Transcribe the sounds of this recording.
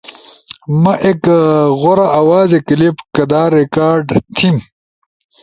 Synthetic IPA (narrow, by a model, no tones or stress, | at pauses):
mɐʔekɣoɾɐʔːwaːzekilipkɐd̪aːɾikaːɾɖt̪ʰim